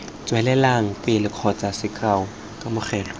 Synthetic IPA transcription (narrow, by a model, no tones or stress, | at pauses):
t͡sʼwɛlɛlaŋ̩pʼɪlɪkʰɔt͡sʼasɪkʰʼaʊ | kʼamʊχɛːlɔ